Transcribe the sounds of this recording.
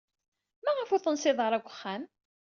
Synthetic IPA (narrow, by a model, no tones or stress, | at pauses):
mæʁəfʊɾθənsɪðˤəɾˤækʷːə̥χːæm